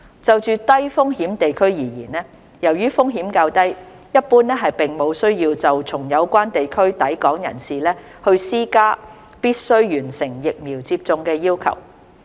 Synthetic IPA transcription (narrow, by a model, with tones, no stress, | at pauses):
t͡sɐ˨wt͡ʃyː˨t̪ɐ˥jfʊ˥ŋɦiː˨˥mt̪e˨jkʰɵ˥ɥjiː˨˩jiː˨˩nɛː˥ | jɐ˨˩wjyː˥fʊ˥ŋɦiː˨˥mkaː˧wt̪ɐ˥j | jɐ˥t̚puː˥nɛː˥ɦɐ˨jpɪ˨ŋmo˨˧wsɵ˥ɥjiː˧wt͡sɐ˨wt͡sʰʊ˨˩ŋjɐ˨˧wkʷaː˥nt̪e˨jkʰɵ˥ɥt̪ɐ˨˥jkɔː˨˥ŋjɐ̰˨˩nsiː˨lɛː˥ | hɵ˧ɥsiː˥kaː˥ | piː˥t̚sɵ˥ɥɥyː˨˩nsɪ˨˩ŋjɪ˨k̚miː˨˩wt͡siː˧p̚t͡sʊ˧ŋkɛː˧jiː˥wkʰɐ̰˨˩w